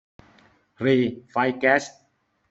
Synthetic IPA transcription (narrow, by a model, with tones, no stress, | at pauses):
ɾiː˧fa˧jkɛː˦˥s